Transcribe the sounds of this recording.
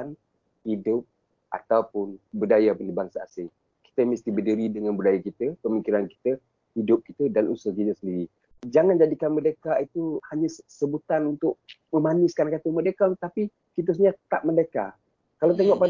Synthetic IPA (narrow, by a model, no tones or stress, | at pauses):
an | hidʊp̚ | ʔa̰t̪awpʊnbudajapənəbaŋsaːsɪŋ | ki̥t̪əməst̪ibədiɾidəŋanbudajakit̪əpəmikiɾanki̥t̪ə | hidʊp̚ki̥t̪ədanṵsʊhkit̪əsəndiɾi | d͡ʒaŋand͡ʒadikanmədəkait̪uhaɲasəbut̪anunt̪ʊʔ̚məmanɪskankat̪umədəkaŋt̪api | kit̪̬əs̬ɲaət̪a̰ʔ̚mədəka | kalawt̪̬eŋɔʔpa